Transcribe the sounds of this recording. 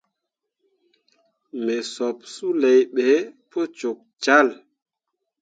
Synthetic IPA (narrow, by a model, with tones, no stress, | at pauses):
me˨sɔ˨p̚su˦le˨jɓe˨˦po˦t͡ʃo˨k̚t͡ʃa˦˨l